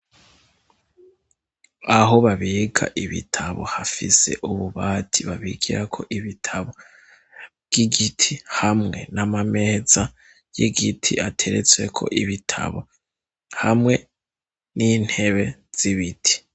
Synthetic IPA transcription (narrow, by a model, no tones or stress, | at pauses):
aɦo̞βaβiːɡʰa̰ʔiβḭtʰaβo̞̰hafise̞̰ʔuβuβaːtʰiβaβiɡiɾakʰo̞ʔiβitʰaβo | bɡ̥iɡitʰihamŋe̞namame̞ːza | jiɡitʰiʔatʰe̞ɾet͡swe̞kʰo̞̰ʔiβitʰa̰βo̰ | hamŋe̞ | nin̥he̞βe̞z̥iβitʰi̥